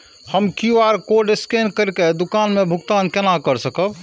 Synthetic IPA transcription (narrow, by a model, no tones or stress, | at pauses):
həmkiaːɾkoɖɪskeːnkəɾked̪ʊkaːnmẽbʱʊɡt̪aːnkɛnakəɾsəkəb